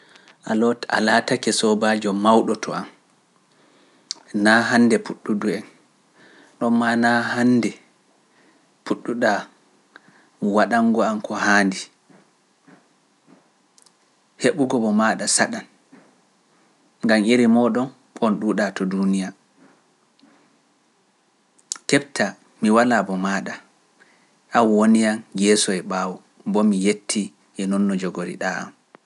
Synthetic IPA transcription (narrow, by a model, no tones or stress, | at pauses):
ʔalɔta̰latakɛsɔbad͡ʒɔmawɗɔtʰɔam | naɦandɛpuɗːuduɛn | ɗɔmːanahandɛ | puɗːuɗa | waɗaŋɡɔamkʰɔhaːndi | heɓuɡɔbɔmaːɗasaɗan | ŋɡamiɾimɔːɗɔn | ɔnɗuːɗatɔdunija | kɛbtʰa | miwalabɔmaːɗa | ʔawwonijanjɛsɔɛɓaːwɔ | bɔmijetʰːi | ʔɛnɔnːɔd͡ʒɔɡoɾḭɗaa̰m